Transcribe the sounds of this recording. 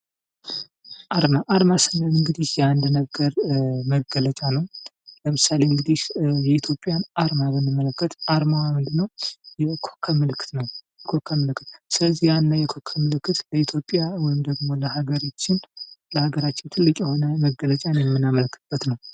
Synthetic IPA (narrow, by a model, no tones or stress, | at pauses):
ʔaɾmaʔaɾmasənənɨŋɡɨd̪ihjɛand̪nəɡəɾməɡələt͡ʃʼanəw | ləmɨsale̞ɨŋɡɨd̪ihjɛit̪ʰjo̞pʼːjanaɾmaβəmːɨmːələkːət̪ʔaɾmawamɨnd̪ɨnːəwjɛkʰokʰːəmɨlɨkːɨ̥t̪nəwjɛkʰo̞kʰːəmɨlɨkːɨt̪sɨləzːijanːajɛkʰo̞kʰːəmɨlɨkːɨt̪ləit̪ʰjo̞pʼːjawɔjɪmd̪əɡmo̞ləhaɡəɾat͡ʃːɪnləhaɡəɾat͡ʃːɪnt̪ʰɨlːɨkʼjɛho̞nəməɡələt͡ʃʼanjɛmːɨnːaməlkʰːɨt̪b̥ːət̪nəw